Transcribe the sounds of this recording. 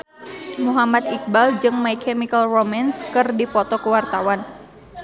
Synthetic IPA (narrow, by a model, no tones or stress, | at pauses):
muɦamat̪̚ik̚bald͡ʒɨŋmaikʰɛmikalromanskɨrdipɔt̪ɔkuwart̪awan